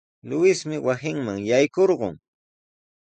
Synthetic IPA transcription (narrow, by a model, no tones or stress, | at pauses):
lʊwɪsmɪwasɪŋmaŋjajkoɾɢʊŋ